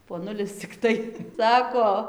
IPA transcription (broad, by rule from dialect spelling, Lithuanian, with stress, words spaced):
poːˈnʊlʲɪs t͡sʲɪkˈtɐɪ ˈsɑːkoː